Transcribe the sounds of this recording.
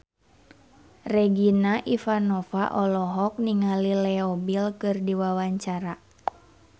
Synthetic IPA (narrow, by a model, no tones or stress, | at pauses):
rɛɡinaʔifanɔfaʔɔlɔɦɔk̚niŋalilɛɔbilkɨrdiwawaɲt͡ʃaɾa